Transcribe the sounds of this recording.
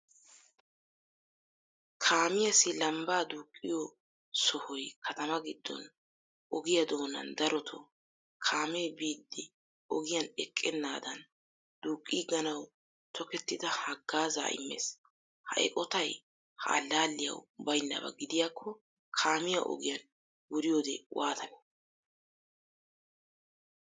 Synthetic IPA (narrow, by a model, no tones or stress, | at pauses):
kʰaːmɪjɐsɪlɐmbaːd̪uːkʼːɪjɔ | sɔhɔjkʰɐt̪ɐmɐɡɪd̪ːɔ̰n | ʔɔɡɪjɐd̪oːnɐ̰nd̪ɐɾɔt̪ʰɔ | kʰaːmejbiːd̪ːɪ | ɔɡɪjɐnɛkʼːɛnːaːd̪ɐn | d̪̥uːkʼːiɡɐnɐw | t̪ʰɔkɛt̪ːɪd̪ɐhɐɡːaːza̰ːʔɪ̰mːḛs | hɐ̰jkʼɔt̪ɐj | ha̰ːlːaːlːɪjɐ̰wbɐjnːɐ̰bɐ̰ɡɪd̪ɪjaːkʰːɔ | kʰaːmɪjaʔɔ̰ɡɪjɐn | wʊɾɪjoːd̪ɛwaːt̪ʰɐnɛ̥